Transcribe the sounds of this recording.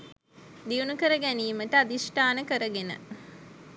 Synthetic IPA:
d̪iunukəɾəɡæniːməʈəad̪isʈaːnəkəɾəɡenə̰

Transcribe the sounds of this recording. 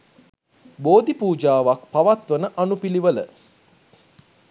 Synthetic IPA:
boːd̪ipuːd͡ʒaːʋak̚paʋat̪ʋənəʔanupiliʋələ̰

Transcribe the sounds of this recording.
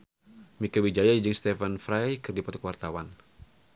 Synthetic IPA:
mikawid͡ʒajaid͡ʒɨŋst̪ɛfanfɾajkɨrdipɔt̪ɔ̥kwart̪awan

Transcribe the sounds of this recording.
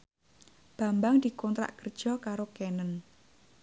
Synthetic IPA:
b̥a̤mbaŋd̪̥i̤kɔnt̪ɾa̰ʔkərd̥ʒ̥ɔ̤kaɾokɛnən

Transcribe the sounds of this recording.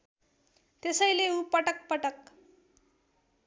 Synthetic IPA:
t̪esʌjleupʌʈʌk̚pʌʈʌk

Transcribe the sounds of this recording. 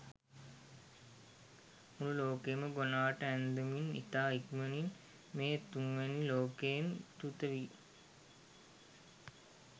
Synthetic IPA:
mululoːkeməɡonaːʋəʈəænd̪əminḭt̪aːikmenin | meːt̪uŋʋæniloːkent̪ut̪əʋi

